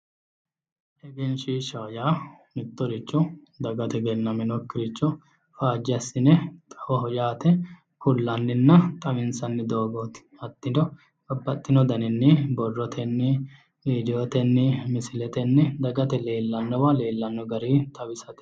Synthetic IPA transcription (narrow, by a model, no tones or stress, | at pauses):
ʔɛɡɛnʃiːʃaːjaː | mɪt̪ːɔɾɪt͡ʃːɔ | d̪ɐɡɐt̪ɛɡɛnːɐmɪnɔkːɪɾɪt͡ʃːɔ | faːd͡ʒːɪɐsːɪnɛt̪ʼɐwɔɦɔjaːt̪ɛ | kʊlːɐnːɪnːɐt̪ʼɐmɪnsɐnːɪd̪o̞ːɡɔt̪ɪ̥ | ɐt̪ːɪd̪ɔ | bɐbːɐt̪ʼːɪnɔd̪ɐnɪnːɪbɔrːɔt̪ʰɛnːɪ | viːd̪ɪjoːt̪ɛnːɪmɪsɪlɛt̪ɛnːɪd̪ɐɡɐt̪ɛle̞ːlːɐnːɔwɐleːlːɐnːɔɡɐɾiːt̪ʼɐwɪsɐt̪ɪ̥